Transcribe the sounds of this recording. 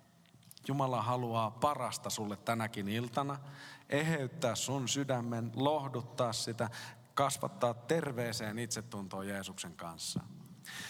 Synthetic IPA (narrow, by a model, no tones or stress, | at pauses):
jumɑlɑɦɑluɑːpɑrɑst̪ɑsulːet̪ːænækinilt̪ɑnɑe̞ɦeyt̪ːæːssunsydæmːenlohdut̪ːɑːssit̪æ | kɑsʋɑ̰t̪ːɑːt̪ːe̞rʋeːse̞ːnit̪set̪ːunt̪o̞ːjeːsukseŋkɑ̰nsːɑ̰